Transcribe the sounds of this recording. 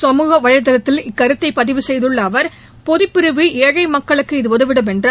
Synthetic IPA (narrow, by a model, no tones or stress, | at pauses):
sɐmuːɣɐʋɐɻɐɪðɐlɐt̪ːɪlɪkːɐɾɯt̪ːɐɪpːɐðɪʋɯsɛjðɯɭːɐːʋɐɾ | pɔðɪpːɪɾɯʋɯʔeːɻɐɪmɐkːɐɭɯkːɯɪðɯɔðɯʋɪɽɯmɛndr